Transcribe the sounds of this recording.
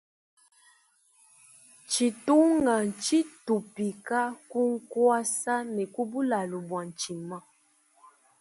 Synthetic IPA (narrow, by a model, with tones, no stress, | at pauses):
t͡ʃi˨tu˦ŋa˨n˨t͡ʃi˦tu˨pi˨ka˦ku˦ŋ̩˦kwa˦sa˦nɛ˨ku˦bu˦la˨lu˨bwa˨n˨t͡ʃi˨ma˦